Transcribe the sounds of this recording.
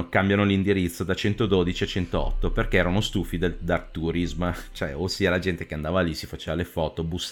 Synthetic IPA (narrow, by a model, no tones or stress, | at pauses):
kambjanolind̪iɾit̪sːod̪at͡ʃɛnt̪od̪od̪it͡ʃiat͡ʃɛnt̪oɔ̰t̪ːoperk̟eɛːɾanost̪ufid̪eld̪art̪uɾizmat͡ʃoɛ̰ʔosːiːalad͡ʒɛnt̪ek̟eand̪aːvalisifat͡ʃeːvalefɔːt̪obus